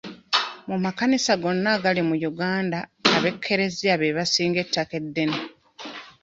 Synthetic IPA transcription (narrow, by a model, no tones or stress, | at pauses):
mumakanisaɡo̞nːaɡalimujuɡaːndaaβe̞kʰːe̞ɾe̞ziaβeβasiːŋɡe̞tːake̞dːe̞ne